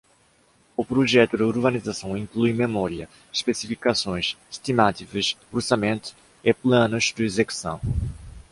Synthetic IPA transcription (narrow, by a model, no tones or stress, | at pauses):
ʊpɾoʒɛt̪ʊd̪ɪuɾbanizasɐ̃w̃ĩŋklujmemɔɾiɐ | iʃpesifikasõj̃siʃt̪imat̪ikɐsoɾsamẽnt̪ʊ̥ | ɪplɐ̃nʊzd̪ɪezeku̥sɐ̰̃w̃